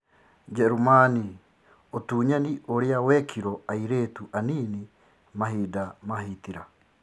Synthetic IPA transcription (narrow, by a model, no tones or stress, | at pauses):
d͡ʒɛɾumani | otuːɲaniʔoɾeawɛkʰiɾɔaiɾeːtuʔaniːni | maɦiːdamahitiɾa